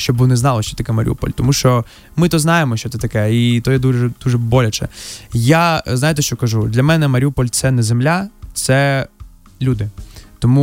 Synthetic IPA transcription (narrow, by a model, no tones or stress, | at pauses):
ʃt͡ʃɔbunɛznɑlˠɔʃt͡ʃɔt̪ɐkɛmɐɾ̰ʲṵpɔ̰lʲt̪ɔmuʃt͡ʃɔ | mɪt̪ɔznɑjemɔʃʲt͡ʃɔt̪ɛt̪ɐkɛit̪ɔjɛd̪uʒɛd̪uʒɛbɔlʲɐt͡ʃɛ̰jaznajt̪̬ɛʃt͡ʃɔkɐʒud̪lʲɐmɛnɛmɐɾʲupɔlʲt̪sɛnɛzemlʲat̪sɛ | lʲud̪ɪt̪ɔmu